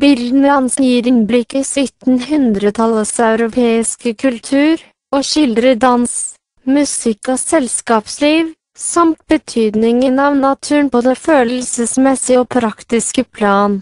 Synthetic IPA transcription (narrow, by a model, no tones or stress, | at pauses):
bɪld̪n̩əd̪ɑnsnjiːɾɪnblɪkəsɪt̪n̩hʉnd̪ɾət̪ʰɑləsɑʉɾʊpʰeːɪskəkʰʉlt̪ʰʉːɾ | oːʃɪld̪ɾəd̪ɑns | mʉsɪkːɔsɛlskɑːpsliːʋ | sɑmt̪̚bət̪ʰyːd̪nɪŋənɑʋnɑt̪ʰʉːnpɔd̪ɛføːlll̩səsmɛsɪoːpʰɾɑkt̪ɪskəpʰlɑːn